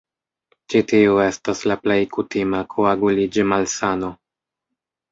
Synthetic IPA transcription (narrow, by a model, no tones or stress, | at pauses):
t͡ʃitiue̞staslaple̞jkutimakʰoaɡulid͡ʒimalsano̞